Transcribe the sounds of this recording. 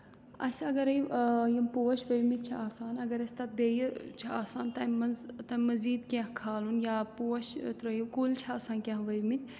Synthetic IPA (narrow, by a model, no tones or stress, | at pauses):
ɐ̰sʲɐɡɐɾɐjjɐmpoːʃʋɐjmit̪̚t͡ʃʰɐaːsaːnɐɡɐɾɐsʲt̪ɐt̪̚beːjt͡ʃʰɐaːsaːnt̪ɐmɐzt̪ɐmɐziːd̪kẽɦkʰaːlunjaːpoːʃt̪ɾɐjkuːlt͡ʃʰɐaːsaːnkʲẽɦʋɐjmit̪ʲʰ